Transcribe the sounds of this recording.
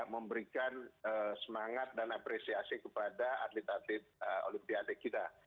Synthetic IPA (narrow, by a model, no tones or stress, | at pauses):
məmbəɾikanəsəmaŋat̪̚danapɾesiasikəpadaa̰t̪lɪt̪̚at̪lɪt̪̚əo̰limpiat̪ekit̪a